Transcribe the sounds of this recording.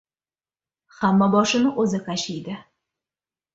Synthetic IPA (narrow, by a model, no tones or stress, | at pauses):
hamːabɒʃɪnɪʔɵzɪkaʃɪjd̪ɪ